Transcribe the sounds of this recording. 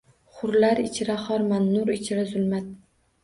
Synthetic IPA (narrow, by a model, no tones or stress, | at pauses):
χʊɾlaɾɪt͡ʃʰɪɾaχɒɾmanːʊɾɪt͡ʃʰɪɾazʊlˠmat̪̚